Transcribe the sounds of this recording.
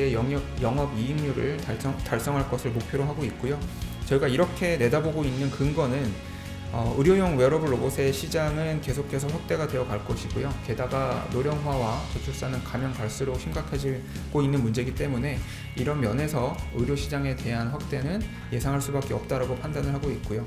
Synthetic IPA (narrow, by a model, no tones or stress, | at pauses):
eʌjʌŋʌbiiŋɲuɾɯɭʌtaɭs͈ʌŋɦaɭk͈ʌsʰɯɭmok̚pʰjoɾoɦaɡoit̚k͈ojot͡ɕʌiɡaiɾʌkʰe̞ne̞daboɡoinːɯnkɯŋɡʌnɯn | ʌɯɾjojoŋweɾʌbɯɭːobosʰe̞ɕʰid͡ʑaŋɯnke̞sʰokʰe̞sʰʌɸwak̚t͈e̞ɡade̞jʌkaɭk͈ʌɕʰiɡojoke̞daɡanoɾjʌŋwawat͡ɕʌt͡ɕʰuɭs͈anɯnkamjʌŋkaɭs͈ɯɾoɕʰimɡakʰad͡ʑi | ɡoinːɯnmund͡ʑe̞ɡit͈e̞mune̞ | iɾʌnmjʌne̞sʰʌɯɾjoɕʰid͡ʑaŋe̞te̞ɦanɸwak̚t͈e̞nɯn | je̞sʰaŋɦaɭs͈ubak͈eʌp̚t͈aɾaɡopʰandanɯɭɦaɡoit̚k͈ojo